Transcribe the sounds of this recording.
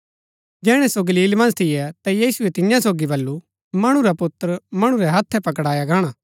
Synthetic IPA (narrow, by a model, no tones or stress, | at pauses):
d͡ʒɛːɽ̃ɛsoɡɐliːlmɐ̃nst̪ʰɪjɛt̪ajiːsʊɛt̪ɪjãsoːɡibɐlːu | mɐɽ̃ũɾapʊt̪ːəɾmɐɽ̃ũɾɛɦɐt̪ʰːɛpɐkɽaːjaɡaːɽ̃aː